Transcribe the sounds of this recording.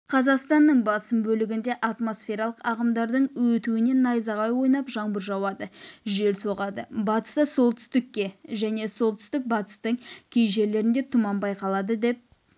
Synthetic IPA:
qʰɑzɑqst̪ɑnːəɴbɑsəmbɵlɪɡʲɪnd̪e̞ʔɑt̪mo̞sfʲe̞ɾɑlˠəqɑʁəmd̪ɑɾd̪əɴwɵt̪uwɪne̞nːɑjzɑʁɑjwo̞jnɑpʒɑɴbəɾʒɑwɑd̪əʒe̞lso̞ʁɑd̪əbɑt̪ə̥st̪əso̞lˠt̪ʰʏ̥st̪ɪkʲːe̞ʒæne̞so̞lˠt̪ʰʏ̥st̪ɪk̚bɑt̪ə̥st̪əɴkʲʰejʒe̞ɾle̞ɾɪnd̪e̞t̪ʰʊmɑmbɑjqɑlˠɑd̪əd̪e̞p̚

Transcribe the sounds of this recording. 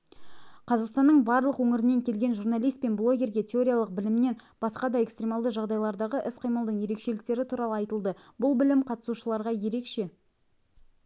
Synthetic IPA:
qʰɑzɑqst̪ɑnːəɴbɑɾlˠəqwɵŋɪɾɪnːe̞ŋkʲʰe̞lɡʲe̞nʒurnalˠijst̪pe̞nblˠo̞ɡʲe̞ɾɡʲe̞t̪ʲʰe̞o̞ɾʲijalˠəq̚bɪlɪmne̞nb̥ɑsqɑd̪ɑe̞kst̪ɾʲe̞mɑlˠd̪əʒɑʁd̪ɑjlˠɑɾd̪ɑʁəʔɪsqʰəjmɑlˠd̪əɴje̞ɾe̞kʃe̞lɪk̚t̪e̞ɾɪt̪ʰuɾɑlˠəɑjt̪əlˠd̪əbʊlˠbɪlɪmqʰɑt̪əsuʃəlˠɑɾʁɑje̞ɾe̞kʃe̞

